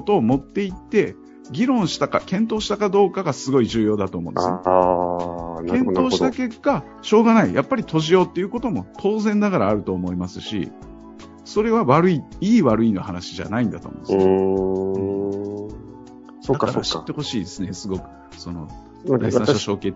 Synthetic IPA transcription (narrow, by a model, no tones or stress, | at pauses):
ot̪o̞ːmo̞t̪ːe̞it̪ːe̞ | ɡʲiɾõ̞ɰ̃ɕi̥t̪aka̰kẽ̞nt̪̬o̞ːɕi̥t̪akad̪o̞ːkaɡasɨɡo̞iʑɨːjo̞ːd̪at̪oːmõessne | kẽ̞no̞ːɕi̥t̪ake̞kːa | ɕo̞ːɡanaijʔapːaɾʲit̪ʰo̞ʑijo̞ːt̪ːe̞jiɯ̟ko̞t̪o̞mo̞t̪ʰo̞ːzẽ̞nd̪akaɾaːɾɯ̟t̪o̞ːmo̞imasɨɕḭ | so̞ɾe̞βaβaɾɯ̟iiːβaɾɯ̟inohanaɕiʑa̰naĩnd̪at̪o̰mõ̰nd̪s | odakːkaɾ̰ɕi̥t̪ːe̞ho̞ɕiːd̪e̞sɨnesɨɡo̞kɯ̟̥ | so̞no̞̰ | aiãoɕoːke